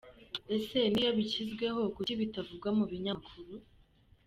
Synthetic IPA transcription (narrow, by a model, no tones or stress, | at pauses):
e̞se̞nijaβicizɡwe̞ɦo̞kuciβitavuɡwamuβiɲakʰuɾu